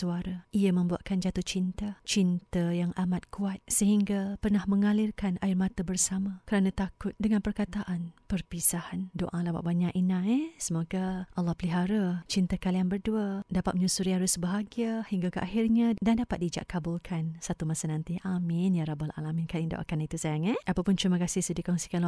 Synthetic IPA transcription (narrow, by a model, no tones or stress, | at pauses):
suaɾaʔiəmə̃mbuaʔkand͡ʒat̪ʊht͡ʃint̪at͡ʃint̪əjaŋʔamat̪̚kuat̪̚səɦiŋɡapərnahmə̃ŋalirkanairmãt̪əbərsamãkəɾanãt̪akʊt̪̚dəŋãnpərkat̪aʔanpərpisahando̰ʔalawa̰ʔbaɲaʔinãsəmoɡaʔɑlːɑhpəliɦaɾat͡ʃint̪əkalianbərduadapat̪̚məɲusuɾiaɾʊsbəɦaɡiahiŋɡakəʔahirɲadandapat̪̚did͡ʒa̰ʔkabulkʰansat̪umasanãnt̪iʔamɪnjaɾabala̰lamɪnkaliŋdo̰ʔa̰kanait̪usajaŋaʔapapʊnt͡ʃɾiməkasɪhsudikɔŋsikala